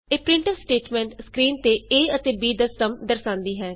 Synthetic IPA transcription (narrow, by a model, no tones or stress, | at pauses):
eːpɾɪ̃ɳʈəsʈeːʈmɛ̃ːɳʈskɾiːnt̪eːeːət̪eːbiːd̪əsːəmd̪əɾsãːnd̪iːɦɛː